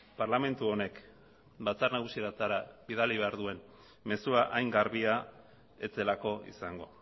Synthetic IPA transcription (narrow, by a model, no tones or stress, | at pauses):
parlame̞nt̪uo̞ne̞k | bat͡sarnaɣ̞usieɾat̪aɾabiðaliβ̞e̞aɾðue̞n | me̞suaʔajŋɡaɾβia | e̞t͡se̞lako̞ḭsaŋɡo̞̰